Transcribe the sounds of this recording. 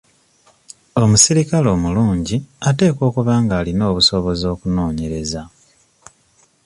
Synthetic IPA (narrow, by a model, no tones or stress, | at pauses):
o̞musiɾikalo̞ːmuluːɲɟiate̞ːko̞ːkuβaːŋɡaːlino̞ːβuso̞βo̞zo̞ːkuno̞ːɲe̞ɾe̞za